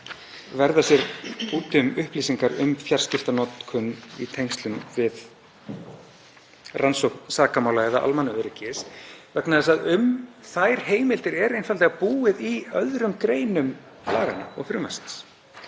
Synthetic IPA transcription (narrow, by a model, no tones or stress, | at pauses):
vɛɾðasjɛɾpuːt̪ʏmʏhpliːsiŋkaɾʏ̰mfjar̥scɪft̪anɔt̪kʰʏnḭt̪ʰejŋst̪lʏmvɪð | ransowhk̪saːkamaːwlaɛða̰ʔa̰lmanːʏœɾɪcɪsvɛknaðɛsaðʏmθajɾ̥heːjmɪlt̪ɪɾɛɾejnfalɛɣapuːɪðiœðɾʏmkɾeːjnʏm | pla̰ːɣa̰na̰ɔ̰ɣfɾʏmasɪ̥ns